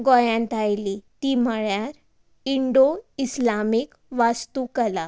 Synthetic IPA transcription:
ɡɔjãnt̪ʰajlit̪iməɭjaɾ | iɳɖoislamik | ʋast̪ukəla

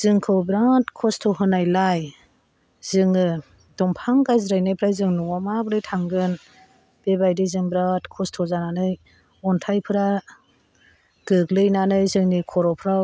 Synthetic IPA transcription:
z̥ɯŋkʰɯwbɾatkʰɔstʰɔɦɯnajlaj | zɯŋɯ | dɔmpʰaŋɡajzɾajnɯjpʰɾajzɯŋnɔwamabɾɯjtʰaŋɡɯn | b̥ebajdizɯŋbɾatkʰɔstʰɔzananɯj | ɔntʰajpʰɯɾa | ɡ̥ɯɡlɯjnanɯjzɯŋnikʰɔɾɔpʰɾa

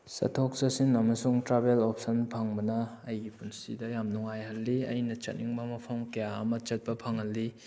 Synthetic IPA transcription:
sɐ̰tʰok̚sɐsinɐmɐsuŋtɾabelop̚ʰsɐnpʰaŋbɐnɐːjɡipunsidɐjamnuŋajhɐlːiɐjnɐt͡ʃɐt̚niŋbɐmɐpʰɐmkɐjaɐ̰mɐt͡ʃɐt̚pɐpʰaŋɦɐlːi

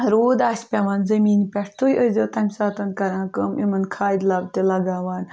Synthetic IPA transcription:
ɾoːd̪aːsʲpʲaʋaːnzɐmiːnpʲɛʈʰt̪ʰujʔəzʲɐt̪ɐmʲsaːt̪ɐnkɐɾãːkɐmʔimɐnkʰaːd̪ʲlɐb̚t̪elɐɡaːʋaːn

